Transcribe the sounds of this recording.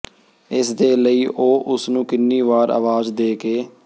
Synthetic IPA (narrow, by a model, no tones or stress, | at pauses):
ɪsd̪eːləiːʔoːʔʊsnũːkɪnːiːʋaːɾa̰ːʋaːzd̪eːkeː